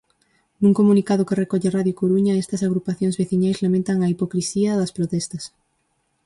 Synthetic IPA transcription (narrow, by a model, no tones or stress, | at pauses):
nuŋkomunikað̞ʊkerekɔʎeraðjokoɾuɲɐest̪ɐsaɣɾupaθjõŋzβeθiɲajzlamẽnt̪ɐŋɐipokɾisiɐðɐspɾot̪ɛst̪ɐs